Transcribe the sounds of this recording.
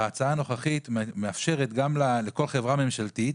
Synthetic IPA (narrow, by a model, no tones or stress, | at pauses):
at͡saano̞χaχit̪meafʃe̞ʁet̪ɡamlale̞ko̞lχe̞vʁame̞mʃalt̪it̪